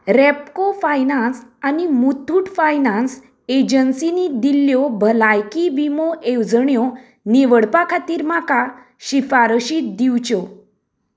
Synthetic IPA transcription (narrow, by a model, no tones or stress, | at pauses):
ɾepkofajnansanimut̪ʰuːʈfajnãns | ed͡ʑənsinid̪iljɔbʱəlajkibimoʔewd͡zəɳjɔ | niʋəɽpakʰat̪iːɾmaka | ɕifaɾɕit̪̚d̪iwt͡ɕɔ